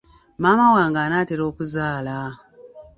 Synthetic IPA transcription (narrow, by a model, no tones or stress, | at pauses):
maːmawaːŋɡaːnaːteɾo̞ːkuzaːla